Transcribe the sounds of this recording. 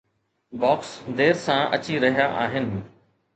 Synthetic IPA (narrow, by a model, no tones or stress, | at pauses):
bɔːksd̪eːɾsãʔɐ̰t͡ɕiɾɐɦijaʔaːɦɪnɪ